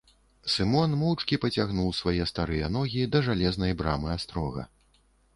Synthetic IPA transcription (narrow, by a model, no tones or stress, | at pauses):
sɨmɔnmɔwt͡ʂkʲipɐt͡sʲaɣnuwsvajɛst̪aɾɨjɐnɔɣʲid̪ɐʐalʲɛznɐjbɾamɨast̪ɾɔɣɐ̰